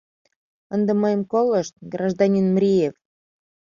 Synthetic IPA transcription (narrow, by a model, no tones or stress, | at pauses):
ənd̪eməjəmkoləʃt̪̚ɡrɑʒd̪ɑnʲinmɾʲijef